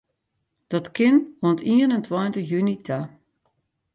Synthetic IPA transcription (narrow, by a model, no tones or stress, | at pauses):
d̥ɔtkɪnɔntiəənəntʰwɔjntəxjynitʰa